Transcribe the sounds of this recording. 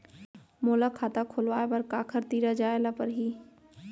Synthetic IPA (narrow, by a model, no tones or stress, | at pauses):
moːlakʰaːt̪akʰolʋaːebɐɾkaːkʰəɾt̪iːɾad͡ʒaːelapəɾɦiː